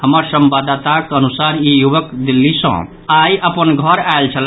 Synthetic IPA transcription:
həmaɾsəmbad̪at̪akənusaːɾjijuʋəkd̪ɪlːisɔ̰̃ː | aːjəpənɡʱɔɾaːelt͡ʃʰəl

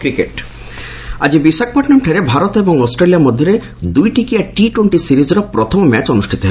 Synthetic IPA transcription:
kɾikeʈ | a̰d͡ʑibisak̚paʈnamʈʰeɾebʱaɾot̪ebɔŋɔsʈɾelijamɔd̪ʱːjɔɾe | d̪ujʈikijaʈiʈweɳʈisiɾid͡ʑɾɔpɾɔt̪ʰɔmmɛt͡ɕɔnusʈʰit̪ɔɦ

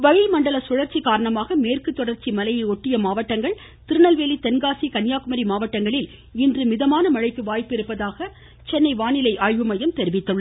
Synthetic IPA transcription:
ʋɐɣɪmɐɳɖɐlɐsʊɻɐɾt͡ʃːikaːɾɐɳɐmaːɣɐmeːrkɯt̪ːɔɽɐɾt͡ʃimɐlɐjɐɪɔʈːɪjɐmaːʋɐʈːɐŋɡɐɭ | t̪ɪɾɯnɐlʋeːlit̪ɛnɡaːsikɐnjaːkɯmɐɾimaːʋɐʈːɐŋɡɐɭɪl | ɪndrɯmɪðɐmaːnɐmɐɻɐɪkːɯʋaːjpɪɾɯpːɐðaːɣɐ | t͡ʃɛnːɐɪʋaːnɪlɐɪʔaːɻʋɯmɐjɐmt̪ɛɾɪʋɪt̪ːɯɭːɐ

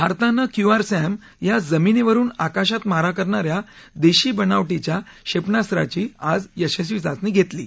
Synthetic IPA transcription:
bʱaɾt̪anːakjuaɾsɛm | jad͡zəmineʋəɾuːnakaɕat̪maɾakəɾɳaɾja | d̪eɕiːbənaʋʈit͡ɕja | ɕepɳast̪ɾa̰t͡ɕiːad͡zjəɕəɕ̬ʋid͡zat͡sniːɡʱet̪lḭː

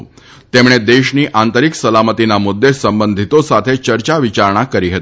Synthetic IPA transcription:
t̪emɽ̃ed̪eɕniːʔant̪əɾiksəlamət̪inamud̪ʱːesəmbənd̪ʱit̪osat̪ʰet͡ɕəɾt͡ɕaʋit͡ɕaɾɳ̃akəɾiɦet̪i

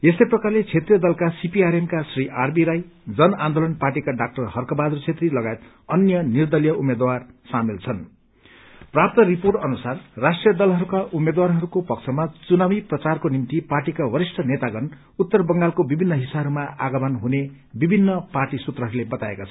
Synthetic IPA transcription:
esʌjprʌkarlet͡sʰet̪rijʌd̪ʌlkasipiaɾemkasriʔarbiɾajd͡zʌnãnd̪olʌnparʈikaɖak̚ʈʌrhʌrkʌbad̪rut͡sʰet̪rilʌɡajet̪ | ʌnjʌnird̪ʌlijʌumed̪warsamilt͡sʰʌn | prap̚t̪ʌriporʈʌnusarːasʈrijʌd̪ʌlɦʌɾukaʔumːed̪warɦʌɾukopʌkt͡sʰʌmat͡sunawiprʌt͡sarkonimt̪iparʈikawʌɾisʈʰʌnet̪aɡʌn | ut̪ːʌrbʌŋɡalkobibʱinːʌɦisaɾumaʔa̰ɡʌmʌnɦune | bibʱinːʌparʈisut̪rʌɦʌɾulebʌt̪aekat͡sʰʌ

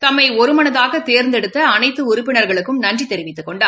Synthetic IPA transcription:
t̪ɐmːɐɪɔɾɯmɐnɐðaːɣɐt̪eːɾnd̪ɛɽɯt̪ːɐːnɐɪt̪ːɯʊɾʊpːɪnɐɾɣɐɭɯkːɯmnɐndrit̪ːɛɾɪʋɪt̪ːɯkːɔɳɖaː

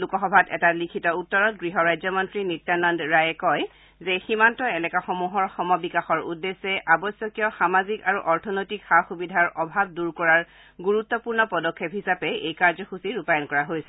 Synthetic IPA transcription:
lukɔxɔbʱatɛ̰talikʰitɔutːɔɹɔt̚ɡɹiɦɔɹajzɔmɔntɹinitːanɔndɹajɛkɔj | zeximantɔɛlɛkaxɔmuɦɔɹxɔmɔbikaxɔɹṵdːesːɛʔabɔsjɔkijɔxamazikaɹuʔɔɹtʰɔnojtikxaxubidʱaɹɔbʱab̚duɹkɔɹaɹ | ɡuɹut̪ːɔpuɹnɔpɔdɔkʰːepɦisapɛejkaɹzɔxusiɹupajɔnkɔɹaɦojsɛ

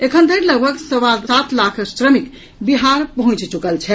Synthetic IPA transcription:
ekʰənd̪ʱəɾləɡbʱəksəwaat̪lakʰsɾəmik | biɦaɾpəɦũt͡ʃt͡ʃukəlt͡ʃʰɛ

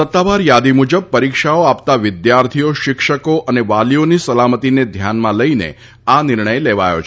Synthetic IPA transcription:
sət̪ːaʋaɾjad̪imud͡ʒəb̚pəɾikʃaoapt̪aʋɪd̪jaɾt̪ʰijoʃɪkʃəkoʔəneʋalionisəlamət̪ined̪ʱjanmãləinḛ | anɪɾɳ̃əjleʋa̰jo̰t͡ʃʰ

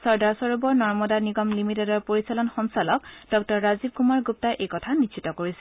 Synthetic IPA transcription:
sɔɹdaɹsɔɹubɔɹnɔɹmɔdaniɡɔmlimitedɔɹpoɹisalɔnxɔnsalɔkd̥ɔk̚tɔɹːazib̚kumaɹɡup̚taʔejkɔtʰanit͡ʃʰitɔkoɹisɛ̥

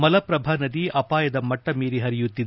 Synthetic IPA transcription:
mɐlɐpɾɐbʱanɐd̪iʔɐpaːjɐd̪ɐmɐʈːɐmiːɾiɦɐɾijut̪ːid̪e

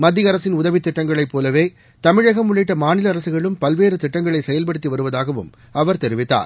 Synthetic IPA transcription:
mɐd̪ːɪɐɾɐsɪnʊðɐʋɪt̪ːɪʈːɐŋɡɐɭɐɪpːoːlɐʋeː | t̪ɐmɪɻɐɣɐmʊɭɪʈːɐmaːnɪlɐːɾɐsɯɣɐɭɯmpɐlʋeːɾɯt̪ɪʈːɐŋɡɐɭɐɪsɛjɐlp̬ɐɽɯt̪ːiʋɐɾɯʋɐðaːɣɐʋɯ̰m | ɐʋɐɾt̪ɛɾɪʋɪt̪ːa̰ːɾ

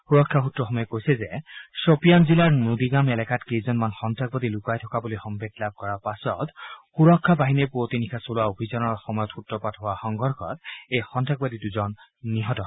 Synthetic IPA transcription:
xuɹɔkʰːaxutɹɔxɔmɔjɛkojsɛzɛsopijanzilaɹnud̪iɡamɛlɛkatkizɔnmanxɔntʰak̚badilukajtʰɔkabulixɔmbʱetlab̚kɔɹaɹpasɔ̰txuɹɔkʰːabaɦinepotinikʰasolʊwaobʱizanɔɹxɔmɔjɔtxutɹɔpatɦʊwaxɔŋɡɔɹxʰɔ̰tejxɔntʰak̚badiduzɔnːiɦɔtɔ

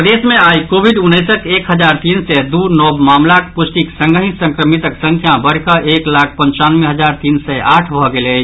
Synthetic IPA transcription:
pəd̪eːsmẽaːikoːbiɖʊnːəːsək̪eːkɦəd͡ʒaːɾt̪iːnsɛd̪uːɾnɔːbmaːmlakpʊsʈ̪iksə̃ŋɡəɦĩsə̃ŋkɾəmit̪əksə̃ŋkʰjãbəɾkaʔeːklaːkʰpə̃ɲt͡ʃaːnmẽɦɐzaːɾt̪iːnsɛaːʈʰbʱɔɡele

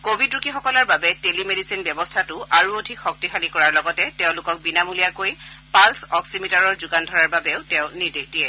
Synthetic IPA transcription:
kobʱidɹukʰixɔkɔlaɹbabɛtelimedisinbjɛbɔstʰatʊʔaɹuodʱikxɔk̚tixalikɔɹaɹlɔɡɔtɛtɛ̃ʊ̃lʊkɔk̚binamulijakoj | palsɔksimitaɹɔɹzʊɡandʱɔɹaɹbabɛʊtɛʊ̃nidik̚tiɛ

